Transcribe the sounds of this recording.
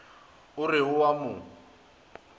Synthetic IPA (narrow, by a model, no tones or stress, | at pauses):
ʊrɪɦʊwamʊ